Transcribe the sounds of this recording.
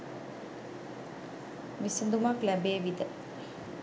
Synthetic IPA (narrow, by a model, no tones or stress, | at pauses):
misənd̪umaklæbeːʋid̪ə